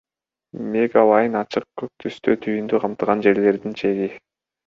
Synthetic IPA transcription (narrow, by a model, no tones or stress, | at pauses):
me̞ɡalˠɑjɯnɑt͡ʃʰɯq̚kʰøk̚t̪ʰyst̪øt̪ʰyjynd̪yqʰɑmt̪ɯʁɑnd͡ʒe̞ɾle̞ɾd̪int͡ʃʰe̞ɡi